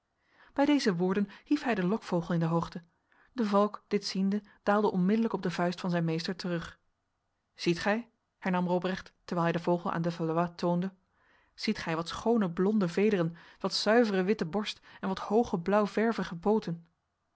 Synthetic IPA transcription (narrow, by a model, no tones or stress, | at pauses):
b̥ɛjdejzəʋʊːɹdənhifɦɛjdəlɔkfowχəlˠɪndəɦowχtə | dəvɑlˠkd̥ɪtsindəd̥aːlˠdəʔɔnmɪdələkɔb̚dəvœɥstfɑnzɛjnmejstəɹtərɵχ | z̥itχɛj | hɛɹnɑmrobrɛχtː | əɹʋɛːlˠɦɛjdəvowχəl̩ˠʔa̰ːndəvalatowndə | z̥itχɛjʋɑtsχownəblɔndəvejdərənʋɑtsœɥvərəʋɪtəbɔɹstɛnʋɑthowχəblʌwvɛɹvəχəpowtən